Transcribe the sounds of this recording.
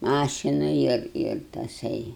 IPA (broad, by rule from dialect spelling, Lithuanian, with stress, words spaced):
ˈmɑːʃʲɪnɐ ɪr ɪr tɐˈsɐɪ